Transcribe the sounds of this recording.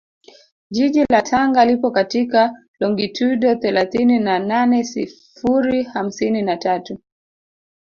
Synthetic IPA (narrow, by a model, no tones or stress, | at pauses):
ʄiʄilatʰaŋɡalipɔkatika | lɔŋɡitʰuɗɔθɛlaθininananɛsḭ | fuɾiham̩sininatatu